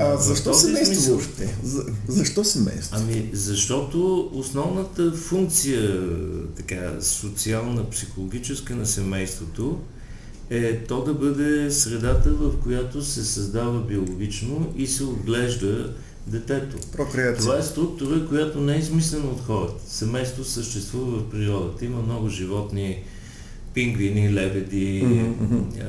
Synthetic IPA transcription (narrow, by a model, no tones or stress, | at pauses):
azɐʃt̪ɔsɛmɛjsʃt̪ɛzɐʃt̪ɔsɛmɛ̰jst̪ɐmizɐʃt̪ɔt̪oosnɔvnət̪əfuŋk̚t̪sijət̪ɐka̰sot̪sialˠnəpsixolˠoɡ̟ʲit͡ʃɛskənɐsɛmɛjst̪vot̪o | ɛt̪ɔd̪ɐbɤd̪ɛsɾɛd̪at̪əvəfkojat̪osɛsɐzd̪avəbiolˠoɡ̟ʲit͡ʃnoʔisɛod̪ɡlɛʒd̪ə | d̪ɛt̪ɛt̪o̰pɾokɾt̪ovvaɛst̪ɾuk̚t̪ʊɾəkojat̪onɛɛizmislɛnəot̪xɔɾət̪ə̥sɛmɛjst̪vosəʃt̪ɛst̪vuvəvəfpɾiɾɔd̪ət̪əiməmnɔɡʊʒivɔt̪ni | piŋɡvinilɛbɛd̪i